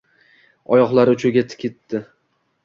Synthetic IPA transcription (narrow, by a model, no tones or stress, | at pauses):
ɒjɒqlˠaɾʊt͡ʃʰʊɡʲat̪ʰɪ̥kʲɪt̪ːɪ